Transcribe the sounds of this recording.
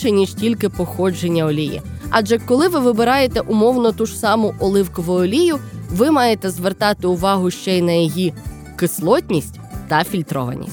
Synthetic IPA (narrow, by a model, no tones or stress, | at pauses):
ɛnʲiʒtʲilʲkɪpɔxɔd͡ʒenʲːɐɔlʲijḭ | ɑd͡ʒɛkɔlˠɪʋɪʋɪbɪɾɑjet̪ɛʔʊmɔwnɔt̪uʒ̥sɑmʊʔɔlˠɪwkɔʋʊɔlʲijʊʋɪmɑjet̪ɛzʋert̪ɑt̪ɪʊʋɑɦʊʃt͡ʃɛjnɐjɔji | kɪslˠɔtʲnʲisʲtʲt̪ɐfʲilʲt̪ɾɔ̰ʋɐ̰nʲḭsʲ